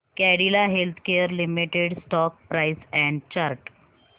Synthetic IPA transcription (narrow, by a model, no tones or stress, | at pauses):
kɛɽilaɦelt̪ʰkeəɾlimiʈeɽsʈɔk̚pɾajsɛ̃ɳɖt͡ɕaɾʈ